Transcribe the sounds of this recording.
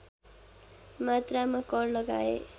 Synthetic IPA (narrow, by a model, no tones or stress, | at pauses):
mat̪ramakʌɽlʌɡa̰ḛ